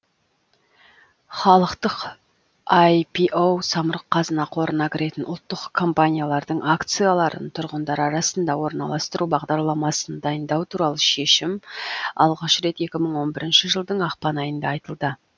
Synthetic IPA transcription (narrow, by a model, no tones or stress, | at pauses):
χɑlˠəqt̪əq | ajpʰiʔowsɑməɾəqqʰːɑzənɑqʰo̞ɾənɑkʲɪɾe̞t̪ɪnʊ̰lˠt̪ːəqkʰo̞mpanʲijalˠɑɾd̪əɴakt̪sɨjalˠɑɾə̰nt̪ʰʊɾʁənd̪ɑɾɑɾɑsənd̪ɑwo̞ɾnɑ̰lˠɑst̪əɾubɑʁd̪ɑɾlˠɑmɑsənd̪ɑjənd̪ɑwt̪ʰuɾɑlˠəʃe̞ʃɪmɑ̰lˠʁɑʃɾe̞t̪e̞kʲɪməɴwo̞nbɪɾɪnʃɪʒəlˠd̪əɴɑqpɑnɑjənd̪ɑːjt̪əlˠd̪ə